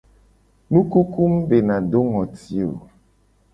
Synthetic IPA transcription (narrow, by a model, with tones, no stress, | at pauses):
nũ˦ku˦ku˦mbe˨nã˨ɖo˦ŋɔ̃˨t̪i˨o̰˨